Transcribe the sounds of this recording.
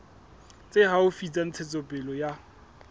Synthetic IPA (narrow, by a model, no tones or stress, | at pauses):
t͡sʼehaʊfit͡sʼan̩t͡sʰɪt͡sʼɔpʼɪlɔja